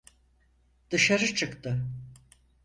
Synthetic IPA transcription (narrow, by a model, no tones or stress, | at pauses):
d̪̥ɯʃaɾɯt͡ʃʰɯkt̪ɯ